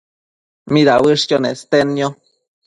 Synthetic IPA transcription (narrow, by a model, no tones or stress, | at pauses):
mid̪aʔwɨʂcʲonest̪eno